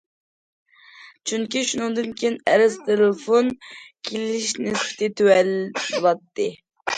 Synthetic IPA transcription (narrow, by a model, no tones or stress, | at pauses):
t͡ʃʰyŋkʲiʃunɨŋd̪ɨnkʲʰejnɛɾɪst̪ʰelɪfonkʲʰelɪʃnɪsɪ̥t̪ʰɪt̪ʰøwɛlbolˠɑt̪ːɨ